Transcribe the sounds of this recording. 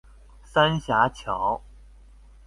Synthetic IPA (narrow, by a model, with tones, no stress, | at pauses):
sa˥nɕja˧˥t͡ɕʰjɑ˧˥˦ʊ